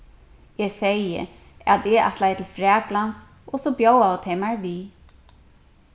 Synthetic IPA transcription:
ɛsejə̰ | at̪ɛa̰t̪lajət̪ʰɪlfɾɛːklans | ɔsɔbjowawt̪ʰhemaɹvi

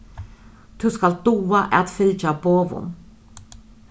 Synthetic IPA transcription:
t̪ʰʉskald̪uːaʔɛt̪fɪlt͡ʃaboːvʊ̰m

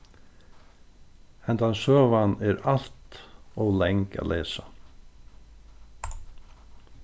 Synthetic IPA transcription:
ɛnt̪ansøːvanɛɾal̥t̪ɔwlɛŋka̰lʔeːsa

